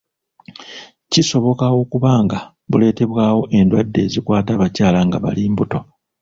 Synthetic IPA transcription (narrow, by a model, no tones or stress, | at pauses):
ciso̞βo̞kawo̞kuβaːŋɡa | βule̞ːte̞βwaːwo̞ʔe̞ndwadːe̞ːzikwaːtaβacaːlaŋɡa̰βa̰liːmbuto̞